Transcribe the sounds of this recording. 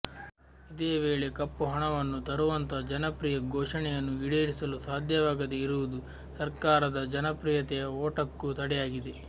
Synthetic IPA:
id̪eːʋeːɭe̞kɐpːuɦɐɳɐʋɐnːut̪ɐɾuʋɐnt̪ɐd͡ʒɐnɐpɾiːjɐɡoːʂɐɳɛjɐnːuʋiɽeːɾisɐlusaːd̪ʱjɐʋaːɡɐd̪eiɾuʋud̪u | sɐɾkaːɾɐd̪ɐd͡ʒɐnɐpɾiːjɐt̪ɛjɐoːʈɐkːut̪ɐɽɛjaːɡid̪e̞

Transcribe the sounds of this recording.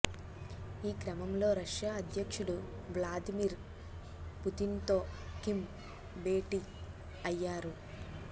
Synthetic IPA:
iːkɾɐmɐmlo̞ːɾɐʂjaːɐd̪ʱjɐkʂuɽu | blaːd̪imiːɾ | put̪int̪o̞ːkim | be̞ːʈi | ɐjːaːɾu

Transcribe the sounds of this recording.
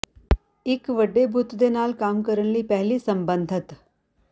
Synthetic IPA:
ɪkʋəɖebʱʊt̪d̪eːnaːlkaːmkəɾəɽ̃ləiːpɛɦliːsə̃mbə̃nd̪ʱət̪

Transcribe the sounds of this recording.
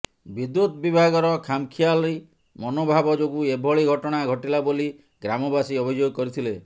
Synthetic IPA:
bid̪ut̪bibʱaɡɔɾɔkʰamkʰialɔi | mɔnobʱabɔd͡ʒoɡuebʱɔɭiɡʱɔʈɔɽ̃aɡʱɔʈilaboli | ɡɾamɔbasiɔbʱid͡ʒoɡɔkɔɾit̪ʰile

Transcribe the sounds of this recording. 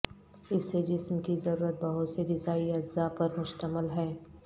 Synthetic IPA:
ɪsːed͡ʒɪsmkizɐɾuːɾət̪̚bɐɦʊt̪seɡɪzaːiɐzaːpɐɾmʊʃt̪əməlɦɛː

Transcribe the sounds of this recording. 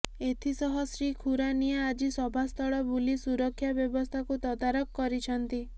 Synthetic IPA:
et̪ʰisɔɦɔsɾikʰuɾanijaːd͡ʒisɔbʱast̪ʰɔɭɔbulisuɾɔkʰːjabjɔbɔst̪ʰakut̪ɔd̪aɾɔkːɔɾit͡ʃʰɔnt̪i

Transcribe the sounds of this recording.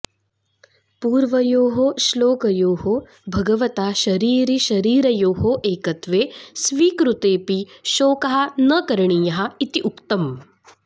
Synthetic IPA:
puːɾʋɐjoːɦoʃloːkɐjoːɦo | bʱɐɡɐʋɐt̪aːʃɐɾiːɾiʃɐɾiːɾɐjoːɦoʔeːkɐt̪ʋeːsʋiːkɾut̪eːpiʃoːkɐɦɐnɐkɐɾɳijɐɦɐ̆it̪iʔukt̪ɐm

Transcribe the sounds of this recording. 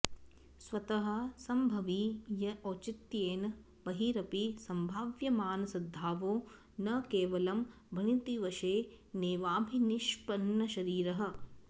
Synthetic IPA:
sʋɐt̪ɐɦɐ̆sɐmbʱɐʋijɐʔoːt͡ʃit̪jeːnɐ | pɐɦiːɾɐpisɐmbʱaːʋjɐmaːnɐsɐd̪ʱːaːʋoː | nɐkeːʋɐlɐm | bʱɐɳit̪iʋɐʃeːneːʋaːbʱiniʃpɐnːɐʃɐɾiːɾɐɦɐ̆

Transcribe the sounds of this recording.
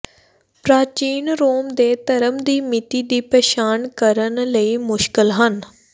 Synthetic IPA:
pɾaːt͡ʃiːnɾoːmd̪eːt̪əɾəmd̪iːmɪt̪iːd̪iːpɛːʃaːnkəɾənləiːmʊʃkɪlɦən

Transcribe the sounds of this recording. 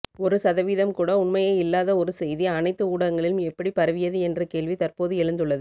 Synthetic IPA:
ɔɾɯsɐðɐʋiːðɐmkuːɽɐʊɳmɐjɐɪɪlːaːðɐɔɾɯsɛjðiɐnɐɪt̪ːɯuːɽɐŋɡɐɭɪlɯmɛpːɐɽipɐɾɐʋɪjɐðɯɛndrɐkeːɭʋit̪ɐrpoːðɯɛɻɯnd̪ɯɭːɐðɯ

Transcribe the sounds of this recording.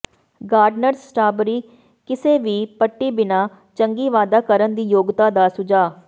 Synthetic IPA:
ɡaːɾɖnəɾssʈaːbɾiː | kɪseːʋiːpəʈːiːbɪnaː | t͡ʃəŋɡiːʋaːd̪aːkəɾənd̪iːjoːɡt̪aːd̪aːsʊd͡ʒaː

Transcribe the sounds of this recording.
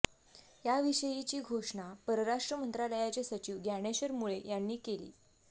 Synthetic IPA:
jaʋiɕəjit͡ɕiːɡʱoʂɳapəɾəɾaʂʈɾəmənt̪ɾaləjat͡ɕesət͡ɕiːʋɡaɽ̃eɕəɾmuɭejanːiːkelḭː

